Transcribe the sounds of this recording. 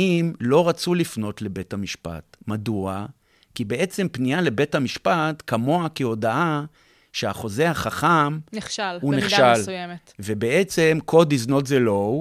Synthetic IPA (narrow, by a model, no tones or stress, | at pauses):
imlo̞ʁat͡sulifno̞tle̞be̞thamiʃpa̰tmadua | kibe̞ʔe̞t͡se̞mpnijale̞be̞thamiʃpatkamo̞akeo̞daʔa | ʃeaχo̞ze̞haχaχamneχʃalhunneχʃaljemetvebeʔe̞t͡se̞mkʰo̞dizno̞tzelo̞